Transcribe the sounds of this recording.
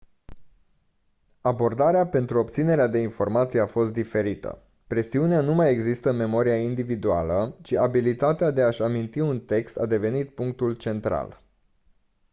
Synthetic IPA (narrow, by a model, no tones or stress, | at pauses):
abo̞rd̪aɾeape̞nt̪ɾuo̞pt̪sine̞ɾead̪e̞info̞rmat̪sijeafo̞st̪̚d̪ife̞ɾit̪ə̰ | pɾe̞siuneanumaje̞ɡzist̪əme̞mo̞ɾiaind̪ivid̪ua̰lət͡ʃiʔabilit̪at̪ead̪e̞aʃamint̪iunt̪e̞kst̪ad̪e̞ve̞nit̪̚puŋk̚t̪ult͡ʃe̞nt̪ɾa̰l